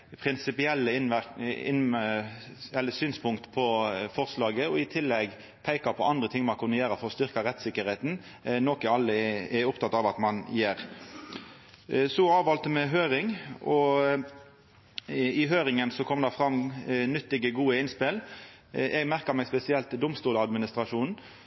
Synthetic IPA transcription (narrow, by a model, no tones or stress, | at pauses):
pʰɾɪnsɪpɪɛlːəɪnæɪn | ɛlːəsyːnspʰʊŋkt̪pʰɔfɔɾslɑːɡəɔɪt̪ʰɪlːɛɡ | pʰæɪkɑpʰɔʔɑnd̪ɾət̪ʰɪŋːmɑnkʰʉnːəjeːɾəfɔɾɔst̪ʏɾkɑɾɛt̪sɪkːəɾheːt̪n̩ | nɔkɪɑlːəɛʊpt̪ɑt̪ːɑʋɑt̪mɑnjeːɾ | sɔɑːʋɑlt̪əmɛɦøːɾɪŋɔ | ɪɦøːɾɪŋənsɔkʰɔmd̪ɑfɾɑmːnʏt̪ːɪɡəɡuːəɪnspɪl | ʔɛɡmæɾkəmɛɡspɛsɪɛlt̪d̪ʊmst̪uːləɑd̪mɪnɪst̪ɾɑʂuːnn̩